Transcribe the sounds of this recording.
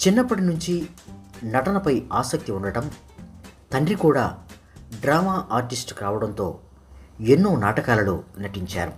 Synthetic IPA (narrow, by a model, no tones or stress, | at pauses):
t͡ʃinːɐpːɐʈinuɲt͡ʃi | nɐʈɐnɐpɐjaːsɐk̚t̪iuɳɖɐʈɐm | t̪ɐɳɖɾikuːɽaː | ɖɾaːmaːʔaːɾʈisʈkɾaːʋɐɽɐnt̪o̞̰ː | enːuːnaːʈɐkaːlɐlṵnɐʈiɲt͡ʃa̰ːɾṵ